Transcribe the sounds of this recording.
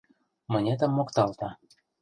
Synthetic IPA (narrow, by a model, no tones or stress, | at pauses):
mɤ̆nʲet̪ə̆mːokt̪ɑlt̪ɑ